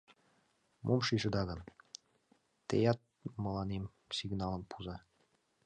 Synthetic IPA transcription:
mʔomʃiʃɤ̆d̪ɑɣɤ̆n | t̪ḛjɑt̪̚mɤ̆lɑnem | siɡnɑlˠɤ̆npʰuzɑ

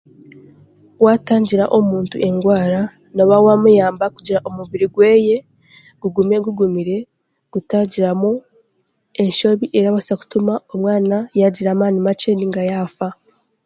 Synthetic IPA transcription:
waːtaːɲɟiɾaʔomuːntuʔe̞ŋɡwaːɾa | noβawamujaːmbakuɟiɾaʔomuβiɾiɡwe̞ːje̞ | ɡ̥uɡumeɡuɡumiɾe̞ | ɡ̥utaɟiɾamu | e̞nʃo̞βiʔe̞ɾaβasaku̥tumao̞mŋaːnajaɟiɾaːmaːnimat͡ʃe̞niŋɡajaːfa

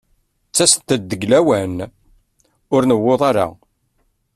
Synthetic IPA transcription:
t͡sːæst̪ːəd̪ːəɡlæwæn | ʊɾnəwːoðˤaɾa̰

